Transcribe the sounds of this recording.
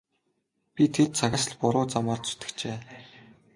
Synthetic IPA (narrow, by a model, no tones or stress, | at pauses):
pʲit̪ʰet̪̚t͡sʰaɣʲasə̆ɮpʊɾʊːt͡samaːrt̪su̥t̪ɘ̆kt͡ɕeː